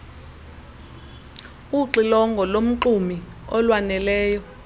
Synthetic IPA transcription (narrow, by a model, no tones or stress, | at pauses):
uǃilɔŋɡʱɔlom̩ǁumi | ɔlwanɛlɛːjɔ